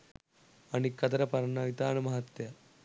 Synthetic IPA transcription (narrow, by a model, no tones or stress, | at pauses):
ɐnikːɐt̪ɐɾɐpɐɾɐɳaːjt̪aːnɐmɐɦɐt̪jɐ